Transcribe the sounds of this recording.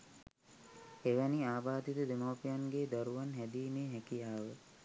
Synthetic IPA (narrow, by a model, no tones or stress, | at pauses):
eʋæniaːbaːd̪it̪əd̪emawpijanɡeːd̪aɾuʋanɦæd̪iːmeːɦækijaːʋə